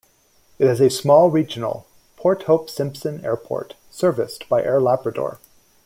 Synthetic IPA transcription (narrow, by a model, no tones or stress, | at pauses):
ɨt̚ɨzɨsmɔlˠɹid͡ʒɨn̩l̩ˠ | pʰɔɹt̚hoʊpsɪ̃mpsɨ̃nɛ̰ɹpʰɔ̰ɹt | sɜ˞vɨsb̥aɪʔɛɹlæbɹɨdɔ̰ɹ